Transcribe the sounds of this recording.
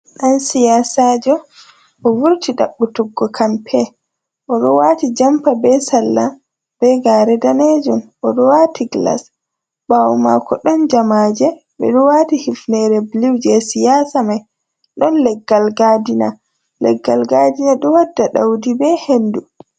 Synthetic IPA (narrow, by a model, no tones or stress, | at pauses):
ɗansijaːsad͡ʒɔ | ʔɔwuɾtʰiɗa̰ɓːutuɡːɔkʰampʰɛ | ʔɔɗɔwaːtid͡ʒampabɛsalːa | b̥ɛɡaːɾɛdaned͡ʒumʔɔɗɔwatʰiɡla̰s | bawma̰kɔɗɔnd͡ʒamaːd͡ʒɛ | bɛ̰ɗɔwatihifnɛɾɛbliwd͡ʒɛsijaːsamaj | ɗɔnlɛɡːalɡadina | lɛ̰ɡːalɡadinaɗɔwadːaɗawdibɛhendu